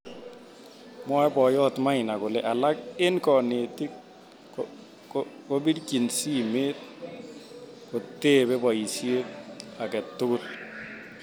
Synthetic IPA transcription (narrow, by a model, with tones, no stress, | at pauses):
mwa˦bɔ˨jɔ˦tma˦ɪna˨kʊ˨lɛʔa˨la˦ke˦nkɔneti˦k̚ | ko˦bi˦ɾki˨nsimeːt̪̚ | ko˨te˦bɛ˦bɔ˨i˨sje˦a˨kɛ˨tːʊ˦kʊ˦l